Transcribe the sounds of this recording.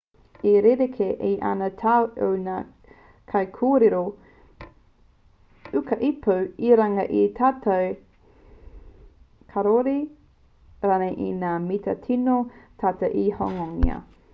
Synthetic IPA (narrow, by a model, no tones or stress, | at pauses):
eɾeɾekʰeʔeʔa̰nɐtʰaʔowna | kʰɐjkʰoːɾeɾo | ʉkɐʔipuwiɾaŋɐʔitʰaːtɐw | kʰaɾoɾi | ɾanɐʔḭnaːmitɐtʰinotʰaːtɐʔihoŋoŋḭɐ̰